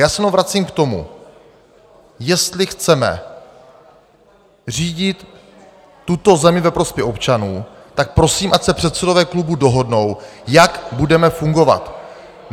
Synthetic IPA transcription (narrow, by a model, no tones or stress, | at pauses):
jaːsɛnovɾat͡siːmkt̪o̞mṵ | jɛst̪lɪxt͡sɛmɛ̰ | r̝iːɟɪt̪ː | ut̪o̞zɛmɪvɛpɾo̞spʲjɛxopt͡ʃanuː | t̪ak̚pɾo̞siːmʔacsɛpr̝̥ɛt̪t͡sɛdo̞vɛːklubudo̞ɦo̞dno̞wjakbudɛmɛfuŋɡo̞va̰t̪